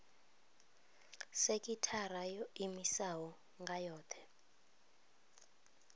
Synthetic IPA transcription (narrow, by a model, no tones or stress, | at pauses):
sekʼitʰarajɔimisawɔ | ŋɡʱajɔːtʰɛ̥